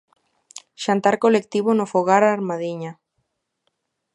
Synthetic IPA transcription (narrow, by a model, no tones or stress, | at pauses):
ʃant̪aɾkolek̚t̪iβonofoɣaɾaɾmaðiɲa